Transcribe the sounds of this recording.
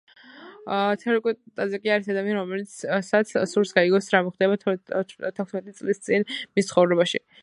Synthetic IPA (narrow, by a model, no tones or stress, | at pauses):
t̪ʰɛɾikʼut̪ʼazakʼiaɾisad̪amianiɾɔmɛlit̪ssat̪sʰsuɾsɡaiɡɔsɾamɔχd̪ɛba | t̪ʰɛkʰsmɛt̪ʼit̪sʼlist̪sʼinmist̪sχɔvɾɛbaʃḭ